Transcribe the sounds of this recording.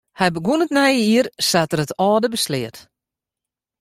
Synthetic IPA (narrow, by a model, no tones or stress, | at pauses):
hɛjbəɡuənətnɛjəiərsatərətɔːdəbəslɪət